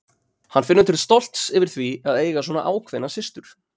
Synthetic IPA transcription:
hanːfɪnːʏt̪ʰɪɾlst̪ɔl̥t̪sɪvɪɾ̥θviaðeːjɣaswɔːna̰ʔaːwkʰvɛnːasɪst̪ʏɾ̥

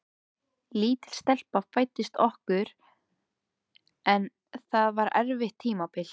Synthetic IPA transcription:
liːt̪ɪ̥lst̪ɛl̥pafaːjt̪ːɪst̪ɔhkʏɾ̥ | ɛn | θaðvaɾɛɾvɪht̪ʰːiːmapɪl̥

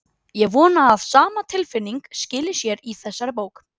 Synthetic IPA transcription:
jɛɣvɔːnaːðsaːmat̪ʰɪlfɪnːiŋkscɪːlɪ̥sjɛɾiθɛsːaɾɪpoːwk

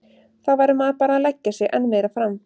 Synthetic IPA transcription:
θawvaːjɾʏmaðpaːɾaːðlɛcːasjɛɣʔɛ̰nːmɛðɾafɾam

